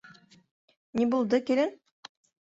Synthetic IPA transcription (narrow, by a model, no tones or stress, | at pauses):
nʲibulˠd̪ɤkilɘn